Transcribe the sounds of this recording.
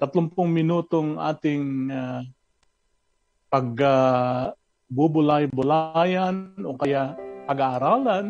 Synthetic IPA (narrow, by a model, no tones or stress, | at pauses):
t̪ɐt̪lʊmpʊŋmɪnuːt̪oŋʔa̰ːt̪ɪŋa | pɐɡ̚a | bʊbʊlajbʊlajanʔokɐjapɐɡaʔːɾaːlan